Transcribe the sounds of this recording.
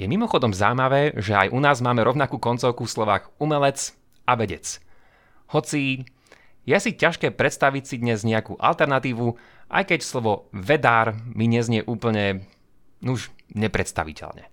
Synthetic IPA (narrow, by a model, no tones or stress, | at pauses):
jɛmimɔxɔd̪ɔmza̰wmaʋɛːʒɛa̰jʔunaːzmaːmɛɾɔʊnakuːkɔnt͡sɔʊkufslɔʋaːɣumɛlɛt͡s | aʋɛɟɛ̰t͡s | hɔt͡si | jɛsicaʃkɛːpɾɛt̪st̪aʋicsid̪ɲɛzɲɛakṵːʔa̰lt̪ɛɾnat̪iːʋu | ʔa̰jkɛcslɔʋɔʋɛd̪aːɾmiɲɛzɲɪɛʔuːpl̩ɲɛ | nuʒɲɛpɾɛt̪st̪a̰ʋḭcɛ̰lɲɛ̰